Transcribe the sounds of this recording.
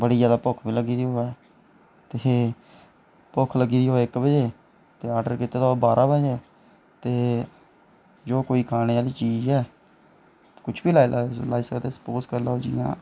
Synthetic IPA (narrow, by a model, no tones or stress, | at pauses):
bəɽiːd͡ʒaːd̪aːpʊkʰbiːləɡiːd̪iːɦoːɛː | t̪e | pʊkʰləɡiːd̪iːɦoːɛːɪkbəd͡ʒeː | t̪eːaːɾɖəɾkit̪eːt̪ːobaːɾʔãːbəd͡ʒɛː | t̪eː | d͡ʒoːkoːiːkʰaːneːaːliːt͡ʃiːd͡ʒɛː | kʊt͡ʃʰbiːlaːlaːiːsəkd̪eːsə̥poːskəɾlaːod͡ʒijã̰ː